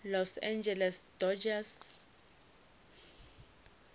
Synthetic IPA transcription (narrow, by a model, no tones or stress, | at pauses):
lɔsãnd͡ʒɛlɛsd̥ɔd͡ʒas